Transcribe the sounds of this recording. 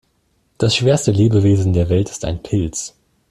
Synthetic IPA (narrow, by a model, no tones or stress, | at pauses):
d̥asʃv̥eːɐstəleːbəveːzn̩deːɐvɛltɪ̥sta̰ɪnpʰɪlt͡s